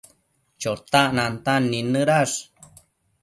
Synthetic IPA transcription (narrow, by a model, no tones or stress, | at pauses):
t͡ʃot̪aʔnant̪anːinəɾaʂ